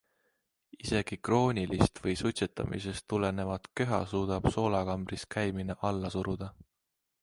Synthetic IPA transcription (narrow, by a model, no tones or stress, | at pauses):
ise̞ɡ̥ikro̞ːnʲilist̪vɤjsut̪ʲset̪ːˑɑ̰mʔḭse̞st̪ːule̞ne̞vɑt̪ke̞ɦɑ̰suːd̪̥ɑb̥so̞ːlɑkɑmbriskæjmineʔɑlːɑsuɾud̪̥ɑ